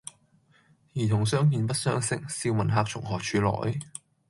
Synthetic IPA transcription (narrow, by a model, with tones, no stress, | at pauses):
jiː˨˩t̪ʰʊ˨˩ŋsœː˥ŋkiː˧npɐ˥t̚sœː˥ŋsɪ˥k̚siː˧wmɐ˨˩nɦaː˧k̚t͡ʃʰʊ˨˩ŋhɔː˨˩t͡ʃʰyː˧lɔ̰ː˨˩j